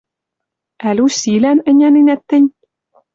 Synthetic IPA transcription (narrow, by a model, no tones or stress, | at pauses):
ælʲusilænɘ̆nʲæninæt̪ːɘ̆nʲ